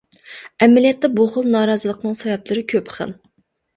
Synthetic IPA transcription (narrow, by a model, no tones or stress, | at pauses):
ɛmɪlijɛt̪ːɛbuχəlˠnɑːɾɑːzəlˠəqnɨŋsɛvɛplɪɾɪkʲʰøpχə̰lˠ